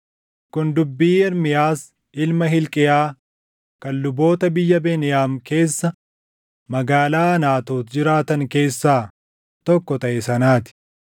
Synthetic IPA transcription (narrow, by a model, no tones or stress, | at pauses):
kʊnd̪ʊbːiːɛɾmɪjaːs | ɪlmɐɦɪlkʼɪjaː | kɐlːʊbo̞ːt̪ɐbɪjːɐbeːnɪjaːmke̞ːsːɐ | mɐɡaːlaːɐnaːt̪oːt̪d͡ʒɪɾaːt̪ɐŋke̞ːsːaː | t̪ɔkːɔt̪ɐʔɛsɐnaːt̪ɪ̥